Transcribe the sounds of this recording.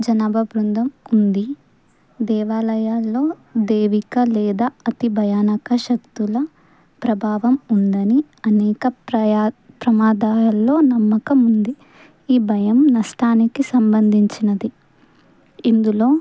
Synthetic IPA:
d͡ʒɐnɐbʱɐbɾund̪ʱɐmund̪i | d̪ɛːʋaːlɐjaːlːo̞ː | d̪eːʋikɐlɛːd̪aɐt̪ibʱɐjaːnɐkɐʃɐk̚t̪ulɐ | pɾɐbʱaːʋɐmund̪ɐni | ɐnɛːkɐ | pɾɐmaːd̪aːɐlːo̞ːnɐmːɐkɐmund̪i | iːbʱɐjɐmnɐʂʈʰaːnikisɐmbɐnd̪ʱiɲt͡ʃinɐd̪i | ind̪uloː

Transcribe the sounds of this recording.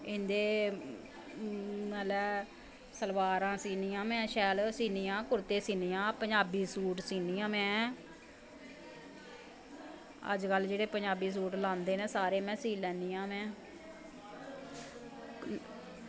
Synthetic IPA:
ɪ̃nd̪eː | naːlɛː | səlʋaːɾãːsiːniːãːmɛ̃ːʃɛːlsiːniːãːkʊɾt̪eːsiːniːãːpəɲd͡ʒaːbiːsuːʈsiːniːãːmɛ̃ː | ə̰d͡ʒkəlːd͡ʒeːɽeːpəɲd͡ʒaːbiːs̬uːʈlãːnd̪eːnẽːsaːɾeːmɛ̃ːsiːlɛːniːjãːmɛ̃ː

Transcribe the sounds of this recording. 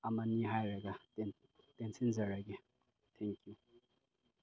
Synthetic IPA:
amanːiɦajɾaɡat | t̪ɛnt͡sʰɪnzaɾaɡe | t̪ʰɛŋkju

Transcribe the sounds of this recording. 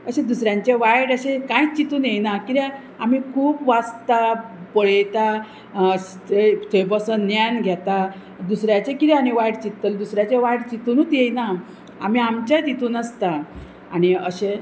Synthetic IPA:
əɕed̪usɾjãɲt͡ɕeʋajɽəɕẽkãit͡ɕit̪uːnjejnakiɾã | am̤ikʰuːpʋad͡zt̪apəɭet̪a | t̪et̪ʰejbɔsənːjanɡʱjɛt̪a | d̪usɾjat͡ɕekit̪eaniʋajɽt͡ɕit̪ːəld̪usɾjat͡ɕeʋajɽt͡ɕit̪uːnut̪jejna | a̰m̤iamt͡ɕat̪it̪uːnəst̪a | añiəɕẽ

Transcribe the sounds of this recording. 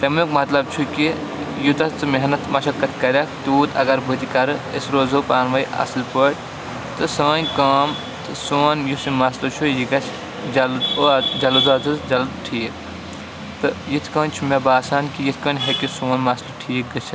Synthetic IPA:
t̪ɐmukmɐt̪lɐb̚t͡ʃʰuki | jut̪ɐt͡s̪ɨmeɦnɐt̪mɐʃʰɐkːɐt̪ʰkɐɾʲɐkʰt̪uːt̪ɐɡɐɾbɨt̪ikɐɾɨesɾoːzopaːnʋɐjɐ̰slpəɽʲ | t̪ɨsəːnʲkɐːm | t̪ɨsoːnjusimɐslɐt͡ʃʰujiɡɐt͡ʃʰ | d͡ʒɐld̪od͡ʒɐluzaːt̪ɨsd͡ʒɐld̪ʈʰiːk | t̪ɨjit̪ʰkəːnt͡ʃʰumebaːsaːnkijit̪ʰkɐːnʲɦekisuːnmɐslɐʈʰiːk̚ɡɐt͡ʃʰi

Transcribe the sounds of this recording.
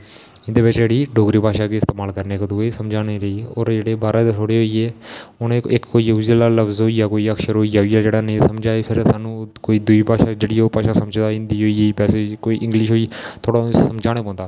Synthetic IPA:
ɪ̃nd̪eːʋɪt͡ʃd͡ʒeːɽiːɖoːɡɾiːpaːʃaːkeːɪst̪eːmaːlkəɾneːkd̪uesəmd͡ʒaːneɾəiːoːɾd͡ʒeːɽeːbaːɾaːd̪eːt̪ʰoːɽeːɦoːiːeːʊnẽɪkkoːiːəud͡ʒəlaːləbzɦoːiːjaːkoːiːəkʃəɾɦoːiːjaiːaːd͡ʒeːɽaːnəĩsəmd͡ʒaːeːpʰɪɾsaːnũːkoːiːd̪ʊiːpaːʃaːd͡ʒeːɽiːoːpaːʃaːsəmd͡ʒd̪aːɪ̃nd̪iːɦoːiːeiːpɛːseːkoːiːʔɪŋɡlɪʃɦoːiːt̪ʰoːɽasəmd͡ʒaːɽ̃eːpɔ̃ːnd̪aː

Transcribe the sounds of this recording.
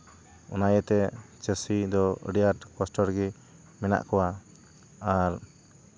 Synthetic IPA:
ɔ̰najɛt̪ɛt͡ʃəsid̪ɔə̰ɖijaʈkɔsʈɔɾɡɛ | mɛna̰ʔkɔwa | aɾ

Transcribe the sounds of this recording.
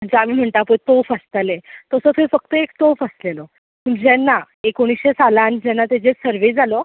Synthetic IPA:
d͡ʑamiːm̤əɳt̪apət̪ofəst̪alet̪əsəfefək̚t̪əekt̪ofəslelɔ | məɳd͡ʑɛnːa | ekoɽ̃isɕesalãnd͡ʑɛnːat̪ɛd͡zesəɾʋed͡zalɔ

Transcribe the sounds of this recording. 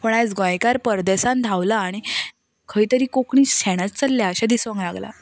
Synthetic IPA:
pəɳat͡sɡãjkaɾpəɾd̪esand̪ʱaʋlaːɽ̃i | kʰəiːt̪əɾiːkokɳiːɕɛɽ̃at͡st͡səlːjaəɕad̪isʋãŋklaɡla̰

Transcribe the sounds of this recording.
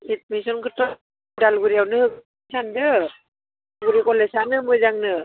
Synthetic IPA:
it̚misɔnkɯtɔ | dalɡɯɾihawnɯhɯk | sandɯ | ɡɯɾikɔlesanɯmɯjzaŋnɯ

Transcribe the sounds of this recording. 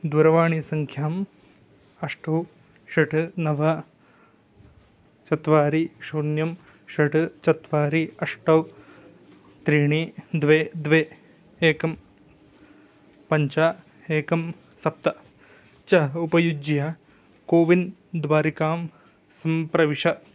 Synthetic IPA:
d̪ʋɐɾɐʋaːɳisɐŋkʰjaːm | ɐʂʈɐw | ʃɐʈʰɨnɐʋɐ | t͡ʃɐt̪ʋaːɾiʃuːnjɐm | ʃɐʈʰɨt͡ʃɐt̪ʋaːɾiɐʂʈɐw | t̪ɾiːɳid̪ʋeːd̪ʋeː | eːkɐm | pɐɲt͡ʃaː | eːkɐm | sɐp̚t̪ɐ | t͡ʃɐɦupɐjud͡ʒjaː | koːʋind̪ʋaːɾikaːm | sɐmpɾɐʋiʂɐ

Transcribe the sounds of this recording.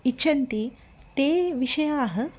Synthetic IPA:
iːt͡ʃʰɐnt̪i | t̪eːʋiʂɐjaːɦə̆

